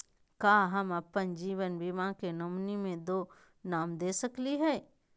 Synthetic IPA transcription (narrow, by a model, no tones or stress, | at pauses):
kaːɦɐmɐpːənd͡ʒiːʋənbimãkenʊmnimẽd̪oː | naːmd̪eːsəkliɦɛː